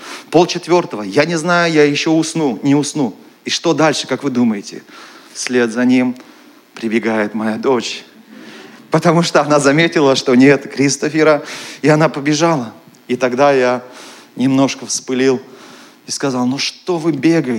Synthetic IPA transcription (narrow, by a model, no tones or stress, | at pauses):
po̞lˠt͡ɕɪt̪vʲo̞rt̪əvəjanʲɪznajʊjajɪɕːo̞ʊsnunʲɪʊsnu | iʂt̪o̞d̪alʲʂɨ̥kakvɨd̪uməjɪtʲɪ̰sʲlʲe̞t̪zɐnʲim | pɾʲɪbʲɪɡajɪt̪mɐjad̪o̞t͡ɕ | pət̪ɐmuʂt̪oɐnazɐmʲetʲɪlˠəʂt̪o̞nʲe̞t̪kɾʲist̪ofʲɪɾəɪɐnapəbʲɪʐalˠə | it̪ɐɡd̪ajanʲɪmno̞ʂkəfspɨlʲilˠ | ɪskɐzɑlˠnoʂt̪o̞vɨbʲe̞ɡəjɪ